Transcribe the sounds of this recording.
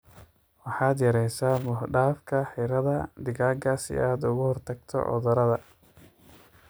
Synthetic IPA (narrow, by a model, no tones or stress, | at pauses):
wɑħɑːd̪jɐɾɛjsaːmʊhɖaːfkʰɐħɪɾɐðɐd̪ɪɣaːŋkʰɐsɪ̰ʔaːd̪ʊɣʊhɔrt̪ʰɐɡt̪ʰɔ̰ʔɔ̰ðɐɾɐðɐ